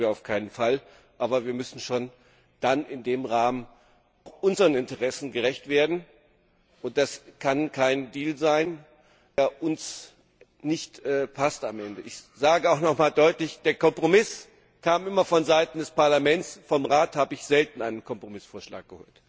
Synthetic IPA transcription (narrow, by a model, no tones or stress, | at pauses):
iːɐaʊfkʰaɪnənfal | ʔaːbɐviːɐmʏsn̩ʃoːn | d̥anɪndeːmʁaːmən | aʊxʔʊnzəʁənɪntəʁɛsn̩ɡəʁɛçtv̥eːɐdn̩ | ʔʊnt̚d̥askʰankʰaɪndiːlzaɪn | aʔʊns | nɪçtɛːpʰastamʔɛndəʔɪçz̥aːɡəaʊxnɔχmaːldɔʏtlɪçd̥eːɐkɔmpʁ̥omɪs | kʰaːmɪmɐfɔnzaɪtn̩dɛspaɐlamɛnt͡sfɔmʁaːthaːbəɪçz̥ɛltn̩ʔaɪnənkʰɔmpʁ̥omɪsfoːɐʃla̰ːk̚ɡ̥əho̰ːlt